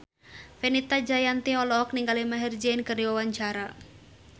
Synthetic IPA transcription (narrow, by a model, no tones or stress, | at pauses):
fenit̪ad͡ʒajant̪iɔlɔɦɔk̚niŋɡalimaɦird͡ʒɛnkɨrniwawaɲt͡ʃaɾa